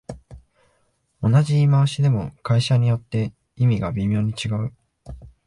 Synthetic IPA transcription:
o̞naʑiːmaɕid̪e̞mo̞kaiɕaɲ̟ijo̞t̪ːe̞ | imʲiɡabʲimʲo̞ːɲ̟it͡ɕiɡaɯ̟

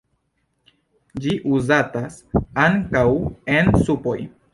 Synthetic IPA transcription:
d͡ʒiʔuzatasaŋkawe̞nsupo̞j

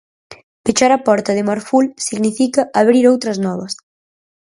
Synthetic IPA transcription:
pet͡ʃaɾɐpɔɾt̪ɐðɪmaɾfulsiɣnifikɐʔaβɾiɾowt̪ɾɐznɔβɐs

